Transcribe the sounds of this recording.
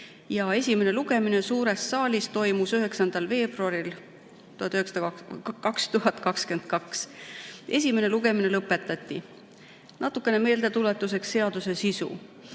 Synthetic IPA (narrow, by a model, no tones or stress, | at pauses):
jɑe̞sʲime̞ne̞luɡ̥e̞mine̞suːɾe̞sːɑːlʲist̪o̞jmusyɦe̞ksɑnd̪̥ɑlve̞ːb̥ruɑɾil | t̪uhɑt̪ːˑyheksɑd̪kɑkst̪uɦɑt̪ːˑkɑkske̞nd̪̥̚kɑks | e̞s̬ʲime̞ne̞luɡ̥e̞mine̞lɤpːˑe̞t̪ːˑɑt̪ʲːi | nɑt̪ːˑukːˑe̞ne̞me̞ːld̪̥e̞t̪ule̞t̪ːˑuse̞ksːe̞ɑd̪̥use̞sisṵ